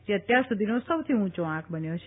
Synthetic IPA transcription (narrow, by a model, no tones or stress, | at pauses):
d͡ʒeət̪jaɾsud̪ʱinosəwt̪ʰiũt͡ʃoãkʰbənjot͡ʃʰ